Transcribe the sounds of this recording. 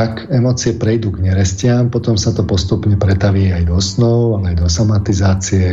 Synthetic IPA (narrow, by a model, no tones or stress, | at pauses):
akɛmɔːt͡siɛpɾɛjd̪uːɡɲɛɾɛscɪampɔt̪ɔmsat̪ɔpɔst̪upɲɛpɾɛt̪aʋiajd̪ɔsnɔʊalɛajd̪ɔsamat̪izaːt͡siɛ